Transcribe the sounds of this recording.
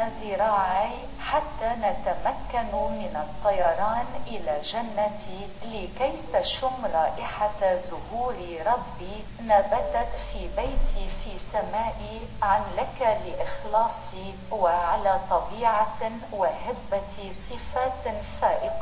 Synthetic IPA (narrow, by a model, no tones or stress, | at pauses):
azɪɾˤɑːʕi | ħat̪ːaːnat̪amakːanmɪnɑt̪ˤːɑjɑɾˤɑːnʔɪlaːʒanːat̪i | lɪkajt̪aʃʊmɾˤɑːʔɪħazʊhuːɾ | ɾˤɑbːi | nabad̪at̪fiːbajt̪ʰifiːsamaːʔi | ʕanlakalɪʔɪxlɑːsˤi | waʕalaːt̪ˤɑbiːʕa | wahɪbːat̪isˤɨfaːt̪faːʔɪqɑ